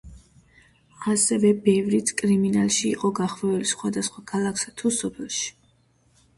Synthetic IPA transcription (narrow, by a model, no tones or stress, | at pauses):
asɛvɛbɛvɾit̪ʰkʼɾiminalˠʃḭːqʼɔɡaχvɛɛlisχwad̪asχwakʰalˠaksat̪ʰusɔpʰɛlˠʃi̥